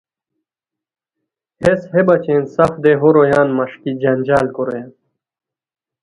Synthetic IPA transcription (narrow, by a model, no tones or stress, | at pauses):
heshebɐt͡ɕẽnsɐfd̪eɦoɾojaːnmɐʂkid͡ʑɐnʲd͡ʑaːlkoɾojaːn